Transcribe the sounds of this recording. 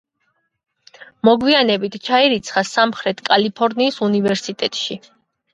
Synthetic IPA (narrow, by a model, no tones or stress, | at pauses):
mɔɡwianɛbit̪ʰt͡ʃʰaiɾit̪sʰχasamχɾɛt̪ʰkʼalipʰɔɾniːsunivɛɾsit̪ʼɛt̪ʼʃi